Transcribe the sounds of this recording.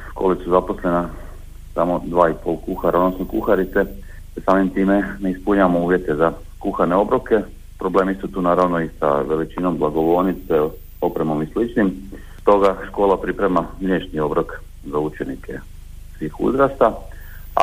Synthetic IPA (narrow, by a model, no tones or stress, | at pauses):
ʃkoːlisuzapo̞sle̞na | samo̞d̪ʋaːipo̞ːlˠkuxaɾaodnosnokuxaɾit̪se | t̪esaːmimt̪iːmeneispuɲaʋamouːʋje̞t̪e̞za | kuxane̞o̞bɾo̞ke̞ | pɾo̞ble̞ːmisut̪uːnaːɾaʋno̞isa̰ʋe̞lit͡ʃino̞mblaɡo̞ʋo̞ɾnit̪se | o̞pɾemo̞mislit͡ʃnim | t̪o̞ɡaʃko̞ːlapɾipɾemamlʲjeːʃnio̞bɾok | zaut͡ʃe̞nikʰe̞̰ | sʋiːxṵzɾast̪a̰